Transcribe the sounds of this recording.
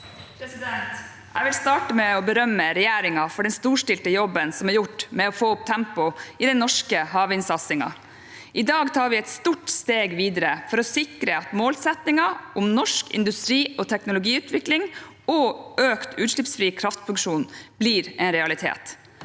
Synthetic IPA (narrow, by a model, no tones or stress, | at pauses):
pʰɾɛsɪd̪ɛnt̪ | æ̰ɪʋɪlst̪ɑːʈəmɛɔbəɾœmːəɾɛjeːɾɪŋɑfɔɖɛnst̪uːʂʈɪlt̪əjɔbːənsɔmæɾjʊʈːmɛɔfoːʊp̚t̪ʰæmpʊɪd̪ɛnɔʂkəɦɑːʋɪnsɑt̪sɪŋɑ̰ | ʔɪd̪ɑːɡt̪ʰɑːɾʋɪɛt̪st̪uːʈst̪eːɡʋiːd̪əɾəfɔɾɔsɪkɾəɑt̪moːlsɛt̪nɪŋɑʔʊmnɔʂkɪ̰nd̪ʉst̪ɾiːɔt̪ʰɛknʊlʊɡiːʉːt̪ʰʋɪklɪŋ | ɔʔøːkt̪ʉːt̪ʂɭɪpsfɾiːkʰɾɑft̪fʉŋkʂuːnb̥liːɾɛnɾɛɑlɪt̪ʰḛːt̪